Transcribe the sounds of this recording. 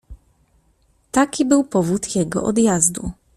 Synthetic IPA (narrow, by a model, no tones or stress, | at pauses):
t̪akʲibɘwpɔvut̪jɛɡɔ̰ʔɔ̰d̪jazd̪ṵ